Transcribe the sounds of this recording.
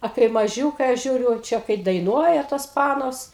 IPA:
ɐ kɐɪ mɐˈʒʲuːkɐɪ ɐʃ ˈʒʲuːrʲʊ ˈt͡ʃʲɛ kɐɪ dɐɪˈnuɔjɛ toːs ˈpɑːnoːs

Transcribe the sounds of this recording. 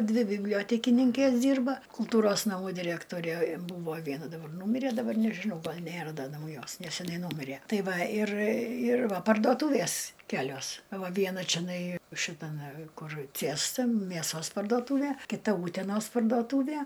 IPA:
ˈdʲʋʲɪ bʲɪbʲˈlʲoːtʲɛkʲɪnʲɪŋʲkʲeːs ˈdʲiːrbɐ kʊlˠˈtuːroːs nɐˈmuː dʲɪˈrʲæːktoːrʲeː ˈbuːʋoː ˈʋʲiɛnɐ dɐˈbɐr ˈnuːmʲɪrʲɛ dɐˈbɐr nʲɛʒʲɪˈnɐʊ ˈɡɐlˠ ˈnʲeːrɐ ˈdɐ nɐʊˈjoːs nʲɛsʲɛˈnɐɪ ˈnuːmʲɪrʲeː ˈtɐɪ ˈʋɐ ˈɪr ɪr ˈʋɐ pɐrdoːˈtuːʋʲeːs ˈkʲæːlʲoːs ɐ ˈʋɐ ˈʋʲiɛnɐ t͡ʃʲɛˈnɐɪ ʃʲɪtɐˈmʲɛ ˈkʊr ˈt͡sʲiɛstɐ mʲeːˈsoːs pɐrduɔˈtuːʋʲeː kʲɪˈtɐ ˈuːtʲɛnoːs pɐrduɔˈtuːʋʲiɛ

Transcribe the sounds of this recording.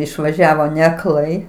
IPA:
ɪʃʋɐˈʒʲæːʋoː nʲɛɐkˈlˠɐɪ

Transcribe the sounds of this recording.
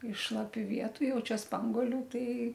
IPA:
ɪʃ ʃlˠɐˈpʲuː ˈʋʲiɛtʊ ˈjɛʊ ˈt͡ʃʲɛ ˈspɐŋɡuɔlʲʊ ˈtɐɪ

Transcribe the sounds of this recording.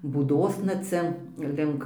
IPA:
buːˈdoːsnɐ ˈt͡sʲɛ ˈlʲɪŋk

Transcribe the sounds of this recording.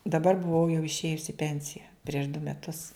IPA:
dɐˈbɐr bʊˈʋɐʊ jɛʊ ɪʃʲˈeːjʊs ɪ ˈpʲɛnʲsʲɪjɛ pʲrʲiɛʃ dʊ mʲɛˈtʊs

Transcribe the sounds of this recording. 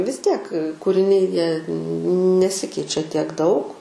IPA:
ʋʲɪs ˈtʲiɛk kuːrʲɪˈnʲɛɪ jiɛ nʲɛˈsʲɪkʲɛɪt͡ʃʲɛ tʲiɛk ˈdɐʊk

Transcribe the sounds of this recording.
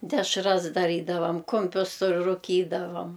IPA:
dʲɛʃˈrɐs dɐˈrʲiːdɐʋɐm ˈkʊmʲpʲʊs sʊ rʊˈkʲiːdɐʋɐm

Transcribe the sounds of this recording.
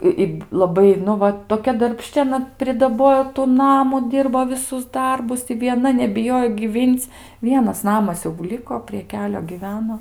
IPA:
ɪ ˈɪ lˠɐˈbɐɪ nʊ ˈʋɐ toːˈkʲɛ dɐrʲpʲˈʃʲt͡ʃʲɪ ɐˈnɐ pʲrʲɪdɐˈboːjoː tʊ ˈnɑːmʊ ˈdʲiːrboː ʋʲɪˈsʊs ˈdɐrbʊs ɪ ʋʲiɛˈnɐ nʲɛbʲɪˈjoːjoː ɡʲiːˈʋʲiːnʲt͡sʲ ˈʋʲiɛnɐs ˈnɑːmɐs jɛʊ ˈlʲɪkoː pʲrʲiɛ ˈkʲæːlʲoː ɡʲiːˈʋʲæːnoː

